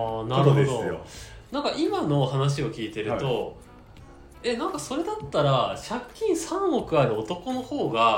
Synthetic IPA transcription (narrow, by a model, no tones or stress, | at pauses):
naɾɯɦoed̪ojo̰ | nãŋkaʔimano̞hanaɕ̬io̞kʲiːt̪e̞ɾɯ̟t̪o̞ | e̞nãŋkaso̞ɾe̞d̪at̪ːaɾaɕakʲːĩɰ̃sãɰo̞kɯ̟aɾɯ̟o̞t̪o̞ko̞no̞ho̞ːɡa